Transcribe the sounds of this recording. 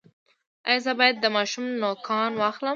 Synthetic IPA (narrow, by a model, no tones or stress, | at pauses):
ajzəbɑjad̪̚ːəmɑʃumnokʰɑnwɑxləm